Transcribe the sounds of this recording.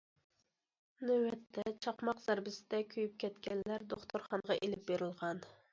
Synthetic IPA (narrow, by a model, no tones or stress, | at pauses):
nøwɛt̪ʰːɛt͡ʃʰɑqmɑqz̥æɾbɪsɪd̪ɛkʲʰøjyp̚kʲʰɛt̪kʲɛnlæɾd̪oχt̪ʰoɾχɑnʁɑʔelɪp̚beɾɪlˠʁɑn